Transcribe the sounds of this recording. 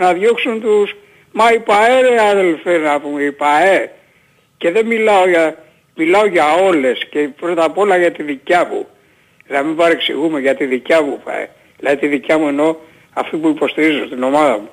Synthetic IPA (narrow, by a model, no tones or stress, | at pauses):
nɐðʝo̞ksunt̪us | mɐipɐe̞ɾeɐðe̞lfeznɐpumeipɐe̞ | ce̞ðe̞milɐo̞ʝɐ | milɐo̞ʝɐo̞le̞sce̞pɾo̞t̪ɐpo̞lɐʝɐt̪iðicɐmṵ | nɐmimbɐɾeksḭɣume̞ʝɐt̪iðicɐmupa̰ḛ | ilɐðit̪iðicɐmueno̞ | ɐft̪ipuipo̞st̪iɾizo̞st̪ino̞mɐðɐmu